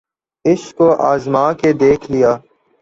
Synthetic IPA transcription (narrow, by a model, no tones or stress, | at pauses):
ɪskoːʔaːzmãːked̪eːkʰlɪjaː